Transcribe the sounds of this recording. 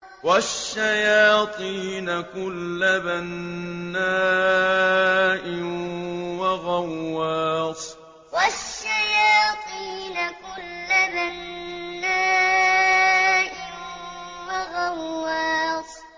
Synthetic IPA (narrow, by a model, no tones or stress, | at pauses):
waʃːajaːt̪ˤiːnakʊlːabanːaː | ʔɪnwaɣawːaːsˤ | waʃːajaːt̪ˤiːnakʊlːabanːaː | ʔɪn | waɣawːɑːsˤ